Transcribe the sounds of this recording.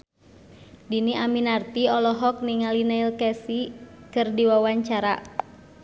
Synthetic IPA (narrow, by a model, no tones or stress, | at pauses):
diniaminart̪iɔlɔɦɔk̚niŋalinailkɛsikɨrdiwawaɲt͡ʃaɾa̰